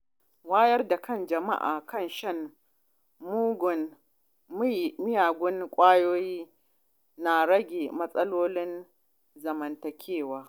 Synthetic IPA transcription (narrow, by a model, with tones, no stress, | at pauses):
waː˦jɐ˦rda˨kɐ˦˨nd͡ʒɐ˨ma̰˦ʔa̰ː˨kɐ˦˨nʃɐ˦˨n | mu˦ɡʊ˨n˦ | jmɪ˦jaː˨ɡʷʊ˦nkʷʼaː˦joː˦jiː˦ | na˨ɽɐ˦ɡʲeː˨mɐ˦sʼɐ˦loː˦lɪ˦n | zɐ˨mɐ˨ntɐ˨kʲʰeː˦˨waː˦